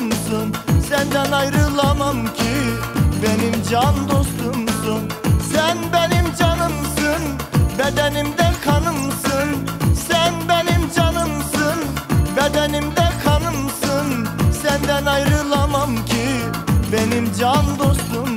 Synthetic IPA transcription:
msɯnsænd̪ænajɾɯlˠamamcʰibenimd͡ʒand̪o̞st̪umsunsænbe̞nimd͡ʒanɯmsɯnbed̪ɛnimd̪ɛkʰanɯmsɯnsænbenimd͡ʒanɯmsɯnbed̪ænimd̪ɛkʰɑnɯmsɯnsænd̪ænajɾɯlˠamamcʰi | benimd͡ʒand̪ost̪um

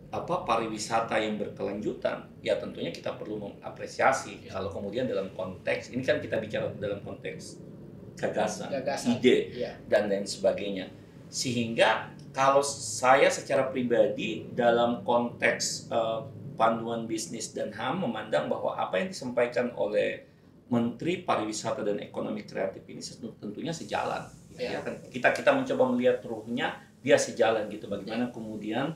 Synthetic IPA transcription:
ʔapapaɾiwisat̪ajaŋbərkəlaɲd͡ʒut̪a̰n | jat̪ənt̪uɲaki̥t̪apərluməŋa̰pɾesiasikalowkəmudiandalamkɔnt̪ɛksinikankit̪abit͡ʃaɾadalamkɔnt̪ɛks | ɡ̥aɡasa̰nɡaidedandansəbaɡajɲa | səɦiŋɡa | kalosajasət͡ʃaɾapɾibadidalamkɔnt̪ɛksəpanduanbisnɪsdanɦamːəmandaŋba̰hwa̰ʔa̰pajaŋdisəmpajkano̰lɛh | mənt̪ɾipaɾiwisat̪adanḛkonomɪkɾḛat̪ifinisət̪ənt̪uɲasəd͡ʒa̰la̰njajakankit̪akit̪aməɲt͡ʃobaməliɦat̪ruhɲa | biasəd͡ʒalanɡit̪ubaɡajmanakəmudian

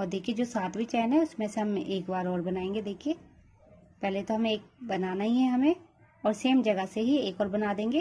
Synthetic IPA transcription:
ɔːɾd̪eːkʰied͡ʒoːsaːt̪ʰbʱit͡ʃɛːnɦɛʊsmẽseɦɐmeːkbaːɾɔːɾbɐnaːẽːŋɡed̪eːkʰieː | pɛɦlet̪oɦɐmẽeːk̚bɐnaːnaɦiɦɛɦɐmẽ | ɔːɾseːmd͡ʒɐɡəseɦieːkɔːɾbɐnaːd̪ẽːŋɡeː

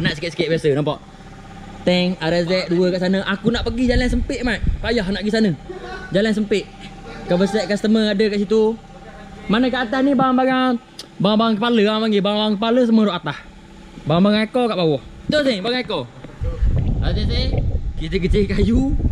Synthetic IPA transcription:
naʔsəkɪt̪sə̥kɪʔ̪̚basənampaʔ | t̪ɛŋaɾazɛʔ̚duəkaʔsanəʔakunaʔpəɡid͡ʒalans̬əmpɪʔ̚maʔ̪̚pajahnaʔɡisanəd͡ʒalans̬əmpɪʔ | kaʔbəsɛʔ̚kast̪əməadəkaʔsit̪u | manəkaʔat̪ahnibawaŋbaŋaŋ | baaŋbawaŋkəpaləmaŋɡibawaŋbawaŋkəpaləs̬əməɾoʔat̪ah | bawaŋbaɡaŋekokaʔbawɔht̪osebaɡaeko | azɛsekit̪əkət͡ʃikaju

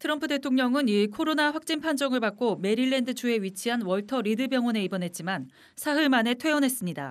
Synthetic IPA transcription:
tʰɯɾʌmpʰɯde̞tʰoŋɲʌŋɯniɭkʰoɾonaɸwak̚t͡ɕ͈inpʰand͡ʑʌŋɯɭpak͈ome̞ɾiɭːe̞ndɯt͡ɕʰue̞ɥit͡ɕʰiɦanwʌɭtʰʌɾidɯbjʌŋwʌne̞ibʌnɦe̞t̚t͡ɕ͈iman | sʰaɦɯɭmane̞tʰwe̞jʌnɦe̞s͈ɯmɲida̰

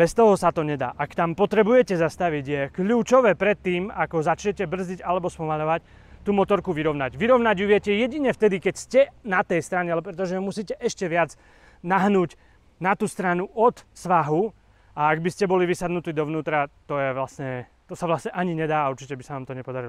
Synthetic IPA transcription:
bɛst̪ɔɦɔsat̪ɔɲɛd̪a̰ːʔakt̪ampɔt̪ɾɛbujɛcɛzast̪aʋiɟjɛkʎuːt͡ʃɔʋɛːpɾɛt̪ːiːmakɔzat͡ʃɲɛcɛbr̩ziɟalɛbɔspɔmaʎɔʋac | t̪uːmɔt̪ɔɾkuʋiɾɔʊnaɟʋiɾɔʊnaɟuʋɪɛcɛjɛɟiɲɛft̪ɛd̪ikɛcscɛnat̪ɛjst̪ɾaɲɛalɛp̬ɾɛt̪̬ɔʒɛmusiːcɛʔɛʃcɛʋɪad͡z | naɦnuːɟ | nat̪uːst̪ɾanuʔɔt̪sʋaɦu | aːɡbiscɛbɔliʋisad̪nut̪iːd̪ɔʋnuːt̪ɾat̪ɔjɛʋlasɲɛ | t̪ɔsaʋlasɲɛʔaɲiɲɛd̪aːauɾt͡ʃi̥cɛbisanaːmt̪ɔɲɛpɔd̪aɾilɔ

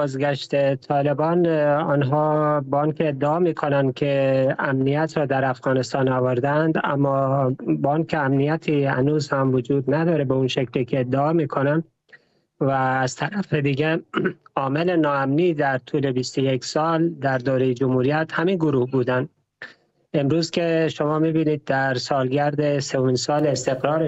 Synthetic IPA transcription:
bɒːzɡæʃt̪et̪ʰɒːle̞bɒːnɒːnɦɒːbɔnkʰeːd̪ːeɒːmiːkʰo̞nænd̪̚kʰeæmnijæt̪ʰɾɒːd̪æɾæfɣɒːnest̪ɒːnɒːvoɾd̪ænd̪æ̰mːɒːbɒːnkʰeæmnijæt̪ʰiːhæ̰nuːzhæmvod͡ʒuːd̪næd̪ɒːɾebeunʃekliːkʰeːd̪ːeɒːmiːkʰonænd̪ | væːz̥t̪ʰæɾæfed̪iːɟeɒːmele̞nɒːæmniːd̪æɾt̪ʰuːle̞bist̪ojeksɒːld̪æɾd̪oːɾejed͡ʒomhuːɾijæt̪hæminɡoɾuːhbuːd̪ænd̪ | e̞mɾuːz̥kʲʰe̞ʃo̞mɒːmiːbiːniːd̪̚ːæɾsɒːlɟæɾd̪esevomiːnsɒːlest̪e̞ɣɾɒːɾe

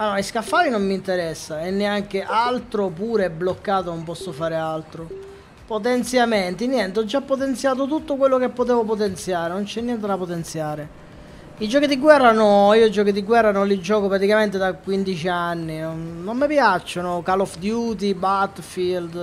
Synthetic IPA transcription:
aɔiskafːaːɾinomːint̪eɾɛsːaɛnːeaŋk̟eʔalt̪ɾopuːɾeɛbːlokːaːt̪onompɔsːofaːɾealt̪ɾo | pot̪̬ɛnt̪sjamɛnt̪injɛnt̪eɔd͡ʒːapːot̪̬ɛnt̪sjaːt̪ot̪ut̪ːokwelːokepːot̪̬ɛːvopot̪ɛnt̪sjaːɾenont͡ʃɛnːjɛnt̪ed̪apot̪ɛnt̪sjaːɾe | id͡ʒɔːkid̪iɡwɛrːanɔiːod͡ʒɔːkid̪iɡwɛrːanonlid͡ʒɔːkopɾat̪ikament̪ed̪akwind̪it͡ʃianːinːomːɪpjat͡ʃːonokalɔfd̪juːt̪̬ibat̪fild̪

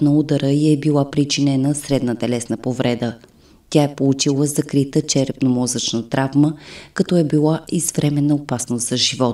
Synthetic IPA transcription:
nəud̪əɾəiɛbilˠapɾit͡ʃinɛnəsɾɛd̪nət̪ɛlɛsnəpovɾɛd̪ə | t̪ʲaɛpolˠut͡ʃilˠəzɐkɾit̪ət͡ʃɛɾɛpnomɔzət͡ʃnət̪ɾʔavməkɐt̪ɔɛbilˠaizvɾɛmɛnːəopasnost̪zɐʒivɔt̪

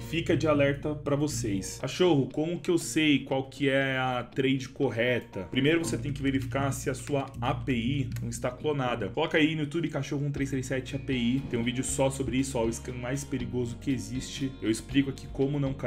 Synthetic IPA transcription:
fikɐd͡ʒɪalɛɾt̪ɐpɾɐvosejskaʃoɦʊkõmʊʊkɪewsejkwawkʰɪɛɐt̪ɾejd͡ʒɪkoɦɛt̪ɐpɾimejɾʊvoset̪ẽj̃kɪveɾifi̥kaɾsɪɐsuɐapeinɐ̃w̃ɪst̪aklonad̪ɐkolɔkainʊjut̪ubɪkaʃoɦʊũt̪ɾejst̪ɾejsɛt͡ʃɪapeit̪ẽj̃ũvid͡ʒɪʊsɔsobɾɪisʊaʊɪskɐ̃majspeɾiɡozʊkɪezist͡ʃɪewɪsplikʊaki̥kõmʊnɐ̃w̃ka

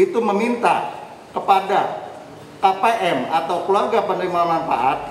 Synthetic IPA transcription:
it̪uməmint̪a̰ | kəpada | kapeʔɛmat̪awkluarɡapənt̪ɪŋmamanfa̰ʔat̪̚

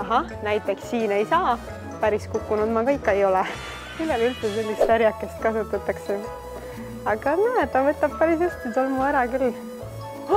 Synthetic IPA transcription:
ɑɦɑ | næjt̪ːˑe̞ksːiːne̞jsɑː | pæɾiskukːunud̪mɑkɤjkːˑe̞jo̞lɛ | milːelylt̪sese̞lʲːist̪sæɾjɑkːˑest̪̚kɑsut̪ːˑɑt̪ːˑɑkse | ɑɡ̥ɑnæet̪ːɑvɤt̪ːˑɑb̥̚pæɾis̬est̪it̪olmuæɾɑkyl

